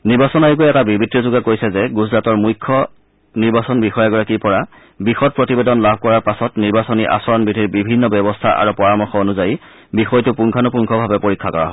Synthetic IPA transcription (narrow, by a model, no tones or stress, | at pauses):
niɹbasɔnajuk̬ojɛtabibʱitːɔzʊɡakojsɛzɛɡuzɹatɔɹmujkʰːɔ | niɹbasɔnbixɔjaɡɔɹakiɹpɔɹa | bixɔt̚pɹotibedɔnlabʱkɔɹaɹpasɔtniɹbasɔniʔa̰sɔɹɔnbɹidʱiɹbibʱinːɔbɛbɔstʰa̰ʔa̰ɹupɔɹamɔɹxɔonuzaji | bixɔjtʊpuŋkʰanʊpuŋkʰɔbʱabɛpoɹikʰːakɔɹa̰ɦɔ